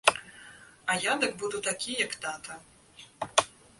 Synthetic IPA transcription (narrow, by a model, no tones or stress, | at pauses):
ɐjad̪ɐkbud̪ut̪akʲʰijɐkt̪at̪ɐ